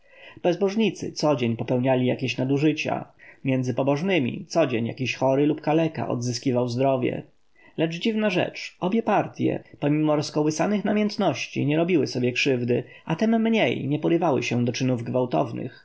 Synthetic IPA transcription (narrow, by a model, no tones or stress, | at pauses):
b̥ɛzbɔʐɲit̪sɘ̰t̪sɔd͡ʑeɲpɔpɛwɲalʲijakʲeɕnad̪uʐɘt͡ɕa̰mʲjɛnd̪zɘpɔbɔʐnɘmʲḭt̪sɔd͡ʑeɲja̰kʲiɕxɔɾɘlupkalɛka̰ʔɔ̰d̪zɘskʲivawzd̪ɾɔvʲjɛ̰ | lɛt͡ʂd͡ʑivnaʐɛ̰t͡ʂɔbʲjɛpaɾt̪ʲjɛ̰pɔmʲimɔɾɔskɔwɘsanɘxnamjɛnt̪nɔɕt͡ɕḭɲɛɾɔbʲiwɘsɔbʲjɛkʂɘvd̪ɘ | at̪ɛmːɲejɲɛpɔɾɘvawɘ̰ɕɛd̪ɔt͡ʂɘnuvɡvawt̪ɔ̰vnɘ̰x